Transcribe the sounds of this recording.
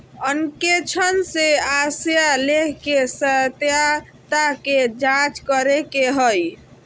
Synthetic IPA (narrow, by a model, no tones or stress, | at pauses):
ənket͡ʃʰənseasjalekʰkesət̪ja | t̪aked͡ʒãt͡ʃkəɾekeɦəj